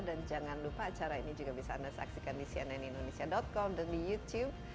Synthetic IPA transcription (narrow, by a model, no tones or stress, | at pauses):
dand͡ʒaŋanlupaːt͡ʃaɾainid͡ʒuɡabisaːnasa̰ksikandisia̰najnindonesiadɔt̪̚kɔmdandijut̪jub̚